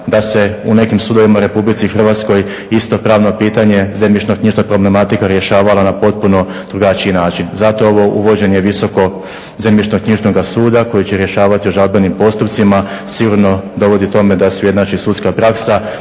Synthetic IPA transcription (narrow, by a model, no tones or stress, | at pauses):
d̪ase̞une̞kimsud̪o̞ʋimaɾe̞publit̪sixr̩ʋat̪sko̞j | ist̪o̞pɾaːʋno̞piːt̪aɲe̞zemit͡ʃnokɲiʒnapɾo̞ble̞mat̪ikaɾje̞ʃaːʋalanapo̞t̪̚puno̞d̪̥ɾuɡat͡ʃiinaːt͡ʃinzat̪o̞oʋo̞ʔṵʋo̞d͡ʑe̞njeʋiso̞ko̞ | zemjit͡ʃnokɲiʒno̞ɡasuːd̪ako̞jit͡ɕe̞ɾje̞ʃaːʋat̪iuʒalˠbenimpo̞st̪upt̪sima | siɡuɾno̞d̪o̞ʋo̞d̪it̪o̞me̞d̪asuje̞d̪nat͡ʃisuːt̪skapɾaksa